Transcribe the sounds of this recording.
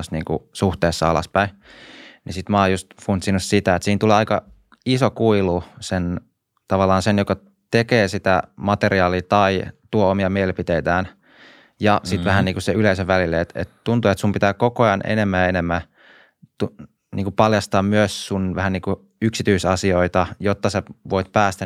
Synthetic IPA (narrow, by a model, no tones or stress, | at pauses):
sniːŋkṵsuht̪eːsːɑɑlɑ̰spæi | nisit̪mɑːjust̪funt̪sinussit̪æet̪siːnt̪uleːɑikɑ | isokuilusen | t̪ɑʋɑlːɑːnsenjokɑ | t̪ekeːsit̪æ̰mɑt̪eriɑːliːt̪ɑit̪uoomiɑmielipit̪eit̪æːn | jɑsit̪ʋæhænniːŋkuseyleiseʋʋælilːeet̪ḛt̪t̪unt̪uet̪sumpit̪æːkokoɑnʔḛnemːæːenemːæ | t̪u | nʔiːkupɑljɑst̪ɑːmmyøssunʋæhæniːku | yksit̪yisɑsioit̪ɑjot̪ːɑseʋoit̪pæːst̪æ